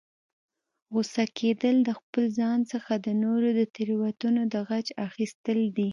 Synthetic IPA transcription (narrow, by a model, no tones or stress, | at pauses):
ɣʊsakʰed̪əld̪əxpəlzɑnsəxad̪ənoɾod̪ət̪ɪɾwat̪unod̪əɣat͡ʃaxist̪əld̪i